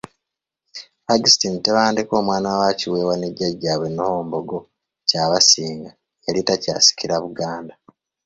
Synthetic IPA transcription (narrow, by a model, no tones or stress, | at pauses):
paɡistiniteβaːndeko̞ːmwaːnawaciwe̞ːwaneɟaɟːaːβwe̞nohoːmboɡo | caβasiːŋɡa | elitaca̰ːsi̥kiɾaβuɡaːnda